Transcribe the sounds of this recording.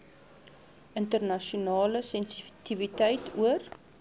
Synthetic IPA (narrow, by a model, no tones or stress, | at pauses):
ʔəntərnɐʃunɑːləsɛnsitivitəjtʰuər